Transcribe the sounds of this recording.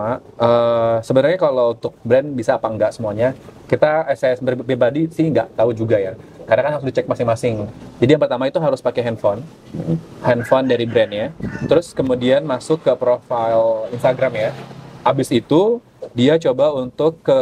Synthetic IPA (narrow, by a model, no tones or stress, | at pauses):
aəːsəbənarɲakalount̪ʊk̚bɾɛnbisaːpaəŋɡaʔsəmuaɲakit̪aɛsɛsbərbebadisɪhŋɡaʔt̪aud͡ʒuɡajakaɾnakanɦaɾʊsdit͡ʃɛk̚masɪŋmasɪŋd͡ʒadijaŋpərt̪amait̪uɦaɾʊspakɛɦɛnfɔn | hɛnfɔndaɾibɾɛnjat̪əɾʊskəmudianmasʊkːəpɾofailinst̪aɡɾamjaabɪsit̪u | diat͡ʃobaunt̪ʊkːə